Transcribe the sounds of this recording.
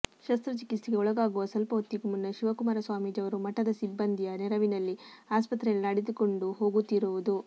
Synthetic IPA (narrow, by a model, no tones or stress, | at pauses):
ʃɐst̪ɾɐt͡ʃikit̪siɡe̞ɔɭɐɡaːɡuʋɐsɐlpɐut̪ːikumunːɐʃiʋɐkumaːɾɐsʋaːmiːd͡ʒɐʋɐɾumɐʈːɐd̪ɐsibːɐnd̪ʱijɐnɛɾɐʋinɐlːiaːspɐt̪ɾɛjɐlnɐɽed̪uko̞ɳɖuɦo̞ːɡut̪ːiɾuʋud̪u